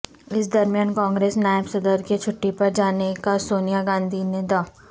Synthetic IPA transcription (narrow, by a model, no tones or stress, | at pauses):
ɪsd̪ɐɾmjaːnkãːŋɡɾeːsnaːəbsɐd̪əɾket͡ʃʰʊʈːipɐɾd͡ʒaːnekasoːnijaɡãːnd̪ʱined̪aː